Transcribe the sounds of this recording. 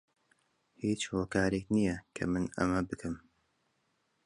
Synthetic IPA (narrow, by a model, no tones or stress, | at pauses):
hiːt͡ʃhoːkaːɾeknijɐkʰɐ̰mɨnɐ̰mɐbɨkʰɨm